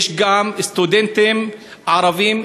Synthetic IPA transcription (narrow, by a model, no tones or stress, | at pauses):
ʃɡamɪst̪ud̪ent̪ɪm | ʕɑɾˤɑviːm